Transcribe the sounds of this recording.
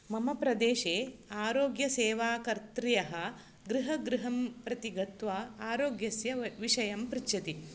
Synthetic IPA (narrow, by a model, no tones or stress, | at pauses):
mɐmɐpɾɐd̪eːʃeːaːɾoːɡjɐseːʋaːkɐɾt̪ɾijɐɦɐ | ɡɾiɦɐɡɾiɦɐmpɾɐt̪iɡɐt̪ʋaːaːɾoːɡjɐsjɐʋiʃɐjɐmpɾitːt͡ʃʰɐt̪i